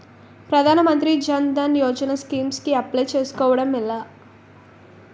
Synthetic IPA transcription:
pɾɐd̪ʱaːnɐmɐnt̪ɾid͡ʒɐnd̪ɐnjɔːd͡ʒɐnɐskiːmskiɐplɐjt͡ʃe̞ːsu̥kɔːʋɐɽɐmilaː

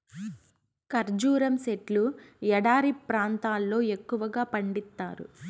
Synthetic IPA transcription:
kɐɾd͡ʒuːɾɐmseʈluɛɽaːɾipɾaːnt̪aːlːo̞ːe̞kːuʋɐɡaːpɐɳɖit̪ːa̰ːɾṵ

